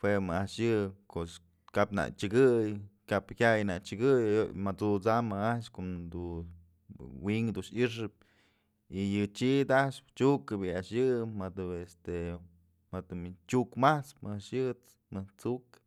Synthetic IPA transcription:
hwemɨaʔʂjɨkos | kapna̰t͡ʃɨɡɨjkaphʲajna̰t͡ʃɨɡɨjomat͡sut͡samaaʔʃkod̪u | wiŋd̪uʃiʂ̬ɨp̚ | ijɨt͡ʃid̪aʔʂt͡ʃukɨbɨaʔʂjɨmad̪ɨest̪e | mat̪ɨmt͡ʃʲukmaht͡spmɨaʔʂjɨt͡s | mɨt͡suk

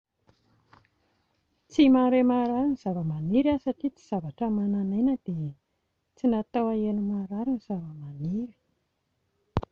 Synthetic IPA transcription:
t͡simaɾemaɾaɾuniz̥avəmaniɾiasaʈ͡ʂit͡si̥z̥avaʈ͡ʂəmananenəd̪̥e | t͡sinat̪owaenumaɾaɾuniz̥avəmaniɾi̥

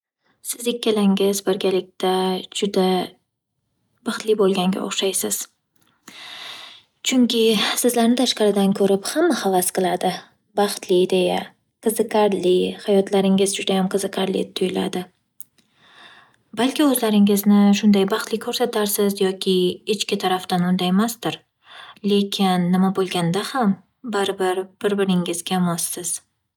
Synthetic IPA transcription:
sɪzekʲːalaŋɪzbɪɾɡʲalɪk̚ʲt̪ʰad͡ʒʊd̪a | bɑχt̪lɪbolˠɡʲaŋɡʲa̰o̰χʃajsɪz̥ | t͡ʃʰʊŋkʲɪsɪzlaɾnɪt̪ʰaʃqɑɾɪd̪ankʰɵɾɪphamːahavasqɨlˠad̪ɪ | bɑχt̪liːd̪e̞ja | qʰɨzɨqaɾlɪhajɒt̪ʰlaɾɪŋɪzd͡ʒʊd̪ajamqʰɨzɨqʰaɾlɪ̰t̪ʰʊjɪla̰d̪ɪ | balkʲɪɵzlaɾɪŋɪznɪʃʊnd̪ajbɑχt̪lɪkʰɵɾsat̪ʰaɾsɪzjɒkʲʰɪɪt͡ʃkʲɪt̪ʰaɾaft̪anʊnd̪ajmasd̪ɪɾ | le̞kʲʰɪnːɪmabolˠɡʲand̪aham | baɾbɪɾb̥ɪɾbɪɾɪŋɪzɡʲamɒsːɪz̥

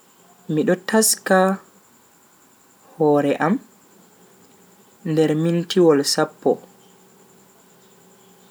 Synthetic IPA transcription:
miɗɔtaska | hɔːɾɛʔam | ndɛɾmintiwɔlsapːɔ̰

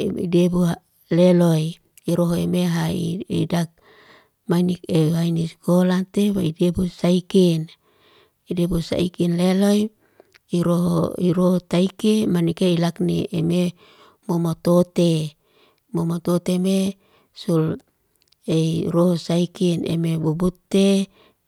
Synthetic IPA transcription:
ḭdebua | leloj | iɾoɦoemeɦaidak̚ | majnikeɦainiskolat̪ebaidebusaiken | idebusa̰ikinleloj | iɾoɦo̰iɾoɦot̪aikemanikeilakniʔeme | momot̪ot̪e | momot̪ot̪eme | sul | eiɾoɦosaikinḛmebubut̪ːe

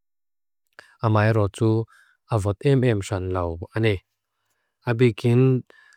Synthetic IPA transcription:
ʔamaːjɾɔt͡su | ʔavɔt̪̚ɛmʔɛmʂanlɐwanɛ | ʔabikin

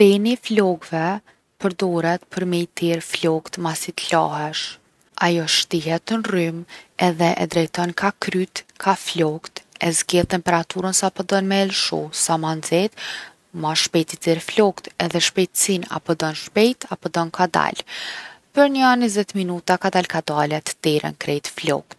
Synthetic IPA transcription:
pɛniflɔɡvɛ | pəɾd̪ɔɾɛt̪pʰəɾmɛjt̪iɾflɔkt̪masit̪laɦɛʃ | ajɔʃt̪iɦɛt̪ənrymɛðɛʔɛ̰d̪ɾɛjt̪ɔnkakɾyt̪kʰaflɔkt̪ɛzɡɛlt̪ɛmpɛɾat̪uɾənsapɔd̪ɔnmɛɛlʃɔ̰samanzɛt̪ | maʃpɛt̪it̪iɾflɔkt̪ɛðɛʃpɛjt̪sina̰pɔd̪ɔnʃpɛjt̪apɔd̪ɔnkad̪a̰l | pəɾɲanizɛt̪minut̪akad̪alkad̪alɛt̪d̪ɛɾɛ̰nkɾɛjt̪flɔ̰kt̪̚

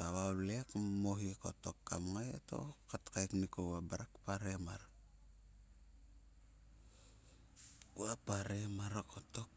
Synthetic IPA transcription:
aβawlekmoɦikoto̞kːamŋajḛto̰katkajknikowabaɾakpaɾemaɾa | uapaɾemaɾokʰotok̚

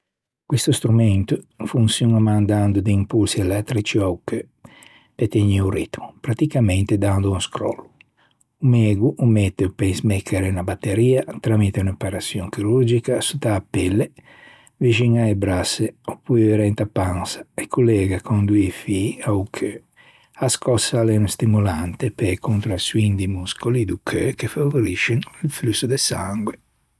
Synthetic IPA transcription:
kwist̪ust̪ɾumɛnt̪ufuŋsjunamand̪and̪ud̪iimpulsiɛlɛt̪ːɾit͡ʃiawkø | pet̪eɲiurit̪mupɾat̪ikamɛnt̪ed̪and̪uunskɾɔ̰lːu | umɛːɡuʔumɛt̪ːeupɛnsmɛkʰːeɾenabat̪ːeɾiːat̪ɾamit̪eunapaɾasjɔŋkiɾuɾd͡ʒikasut̪aːpɛlːe | viʒiŋaebɾaseopujveɾɛnt̪apːaŋsḁekʰulɛɡakʰond̪uifiaukʰø | askɔsːalɛnst̪imulant̪epekunt̪ɾasuind̪imuskolid̪ukʰøkefavoɾiʃenilflusud̪esaŋɡwe

